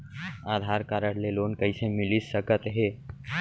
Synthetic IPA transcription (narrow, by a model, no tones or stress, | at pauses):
aːd̪ʱaːɾkaːɾəɽleloːnkɐisemɪlisəkət̪ɦeː